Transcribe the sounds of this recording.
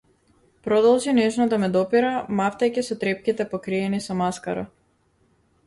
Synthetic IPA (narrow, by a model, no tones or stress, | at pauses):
pɾɔd̪ɔlˠʒinɛʒnɔd̪amɛd̪ɔpiɾamaft̪ajcɛsɔt̪ɾɛp̚kʲit̪ɛpɔkɾiɛnisɔmaskaɾa̰